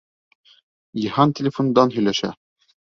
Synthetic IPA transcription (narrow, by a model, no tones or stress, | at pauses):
jɤ̆hɑntʲelʲɪfond̪ɑnɦɵ̆jlæʃæ̰